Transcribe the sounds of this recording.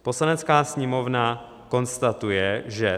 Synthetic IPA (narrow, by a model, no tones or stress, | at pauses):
po̞slanɛt͡skaːsɲɛmo̞vna | ko̞nst̪at̪ujɛʒɛ